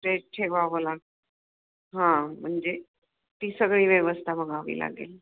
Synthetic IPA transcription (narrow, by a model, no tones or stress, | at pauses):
ʈeʈʰeʋaʋəlaɡ̚ | ɦãm̤əɳd͡ʑe | t̪iːsəɡɭiːʋjəʋəst̪ʰabəɡaʋḭːla̰ɡḛl